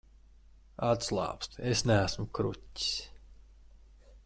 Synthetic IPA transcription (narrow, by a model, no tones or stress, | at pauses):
at̪slˠɑ̰ːpst̪esnææsmukɾutʲːi̥s